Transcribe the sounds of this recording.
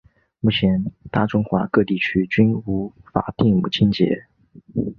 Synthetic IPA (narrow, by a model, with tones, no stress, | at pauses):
mu˥˩t͡ɕʰjɛ˧˥nt̪a˥˩ʈ͡ʂʊ˥ŋxwa̰˧˥kɤ˥˧t̪i˥˩t͡ɕʰy˥t͡ɕy˥nu˧˥fa̰˨˩t̪i˥˩ŋmu˨˩t͡ɕʰi˥nt͡ɕjɛ̰˧˥